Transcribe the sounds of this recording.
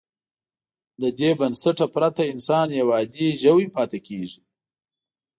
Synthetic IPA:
d̪əd̪ebɐnsaʈapɾat̪aɪnsɑːnjawɑːd̪iʒawipɑːt̪ekʰeʐi

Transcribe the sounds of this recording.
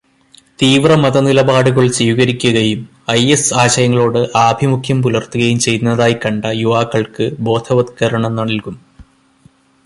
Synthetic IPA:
t̪iːʋrɐmɐðɐnilɐbaːɽuɣɐɭsiːʋɣɐɾikʲːuɣɐjum | ɐjesaːɕɐjɐŋːɐɭo̞ːɽɨʔaːbʱimukʰjɐmpulɐrt̪uɣɐjumt͡ɕe̞jt̪nːɐðaːjikɐɳɖɐjuʋaːkːɐɭkɨbo̞ːd̪ʱʰɐʋɐd̪kɐɾɐɳɐmnɐɳilkum

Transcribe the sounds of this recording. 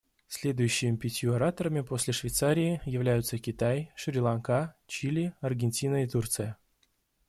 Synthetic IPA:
sʲlʲe̞d̪ʊjʉɕːɪmʲɪpʲɪtʲjuɐɾat̪əɾəmʲɪpo̞sʲlʲɪʂvʲɪjt̪saɾʲɪɪjɪvlʲæjʊt̪səkʲɪt̪ajʂɾʲɪlˠankat͡ɕilʲiɐrɡʲɪnʲtʲinəit̪urt̪sɨjə

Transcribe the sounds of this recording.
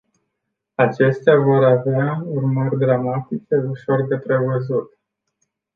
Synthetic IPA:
at͡ʃe̞st̪eavo̞ɾaveaurmərʲd̪ɾamat̪it͡ʃe̞uʃo̞rd̪e̞pɾe̞vəzut̪

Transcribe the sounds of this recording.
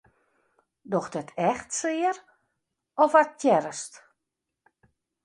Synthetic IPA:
dɔxdətʰɛxtsɪəɾ | ɔfat̚tjɛɾəst

